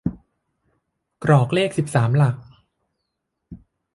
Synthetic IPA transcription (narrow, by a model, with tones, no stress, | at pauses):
kɾɔː˨˩k̚leː˥˩k̚si˨˩p̚saː˩˦mla˨˩k̚